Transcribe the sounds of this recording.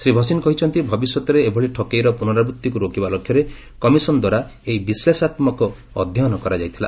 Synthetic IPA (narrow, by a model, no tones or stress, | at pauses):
sɾibʱɔsinɔkɔɦit͡ʃʰɔnt̪ibʱɔbisjɔt̪ɔɾeːbʱɔɭiʈʰɔkejɾɔpunɔɾabɾut̪ːikuɾokibalokʰjɔɾe | kɔmisɔnɔd̪waɾa | eibislesat̪mɔkɔː | d̪ʱjɔɦnɔkɔɾad͡ʒajt̪ʰila̰